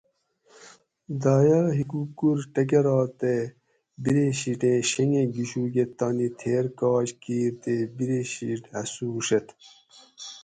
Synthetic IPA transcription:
d̪ɑːjɐɦikukuɾʈɐk̬eɾɑːt̪e | biɾeɕiʈẽːɕeŋẽɡiɕuːɡet̪ːɑnit̪ʰeːɾkɑːɕkiːɾt̪ebiɾeɕiʈhɐsuːʂet̪

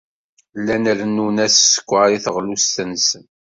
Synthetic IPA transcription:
lːænæɾənːunæssə̥kʷːaɾiθəʁlust̪ənsən

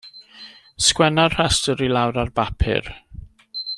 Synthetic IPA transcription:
skwɛnarhastɔɾilawɾarbapʰɪ̰r

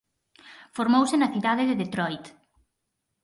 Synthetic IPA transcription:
foɾmowsɪnɐθiðaðɪðɪðet̪ɾɔjt̪

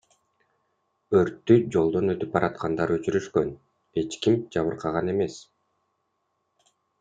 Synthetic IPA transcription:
øɾt̪ːyd͡ʒo̞lˠd̪o̞nø̞t̪yp̚bɑɾʔɑt̪qʰɑnd̪ɑɾø̞t͡ʃyɾyʃkø̞n | e̞t͡ʃkimd͡ʒɑβɯɾqʰɑʁɑne̞mes

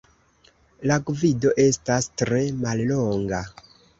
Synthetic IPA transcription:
laɡvido̞ʔe̞stastɾe̞malloŋɡa

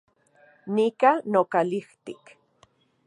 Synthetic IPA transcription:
nikanokaliht̪ik

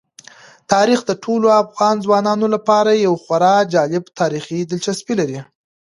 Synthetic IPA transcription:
t̪ɑɾixd̪əʈʰoloafɣɑnzwɑnɑnolapɑɾajawxwaɾɑd͡ʒɑlɪbt̪ʰɑɾixid̪ɪlt͡ʃaspilaɾi

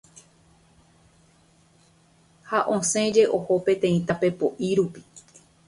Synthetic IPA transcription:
haʔõsẽ̞d͡ʒe̞ʔoho̞pẽ̞t̪ẽĩt̪ape̞poʔiɾupi̥

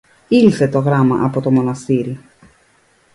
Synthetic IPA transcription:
ilθe̞t̪o̞ɣɾɐmɐ̰ʔɐpo̞t̪o̞mo̞nɐst̪iɾi

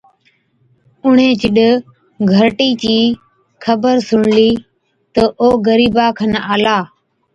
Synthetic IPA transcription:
ʊɳ̤ẽːt͡ʃɪɗ | ɡʱəɾʈiːt͡ʃiː | kʰəbəɾsʊɳliː | t̪əʔoːɡəɾiːbaːkʰənaːlaː

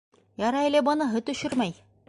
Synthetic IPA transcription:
jɑɾɑelʲebɤ̆nɤɦɤ̆t̪ɵ̆ʃɵɾmæj

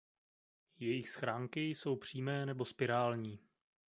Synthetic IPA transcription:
jɛjɪxsxɾaːŋkɪjso̞wpr̝̥iːmɛːnɛbospɪɾaːlɲiː

